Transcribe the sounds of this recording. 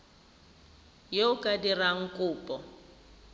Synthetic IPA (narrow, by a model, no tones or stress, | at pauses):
jeʊkʼadiraŋ̩kʼʊːpʼɔ